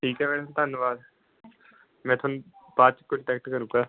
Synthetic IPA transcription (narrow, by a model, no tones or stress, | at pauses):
ʈʰiːkɛːmɛ̃ːt̪ʰʊnt̪ənːʋaːd̪ | mɛ̃ːt̪ʰʊnbaːd̪̚t͡ʃə̥kːʊʈɛːkʈkəɾũːɡaː